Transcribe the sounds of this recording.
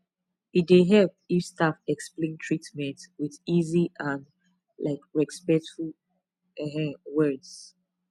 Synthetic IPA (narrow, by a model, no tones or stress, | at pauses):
ideɦɛlp̚ifstafɛksplẽntʰɹitmɛ̃ntwiðiziʔãn | laɪkɹɛspɛk̚tful | ɛɦɛ̃wɜds